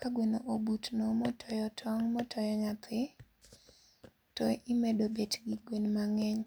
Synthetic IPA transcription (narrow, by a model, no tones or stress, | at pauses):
kaɡwenoʔobutnomɔtʰɔjɔtʰɔŋmɔtʰɔjɔɲat̪ɪ | tɔɪmedobetɡiɡwenmaŋɛŋ